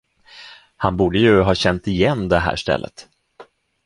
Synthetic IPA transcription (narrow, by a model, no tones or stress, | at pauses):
hanbuːɖəjɵɦɑːɕɛnt̪ɪjɛnːd̪ɛɦæ̰ːʂt̪ɛ̰lːə̰t̪